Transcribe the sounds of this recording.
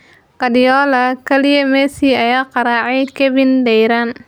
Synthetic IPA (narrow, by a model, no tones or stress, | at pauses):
ɡɐdɪjɔːlɐkʰɐlɪjɐmɛːsiːɐjaːqɑɾaːʕɛjkʰɛβɪndɛjɾaːn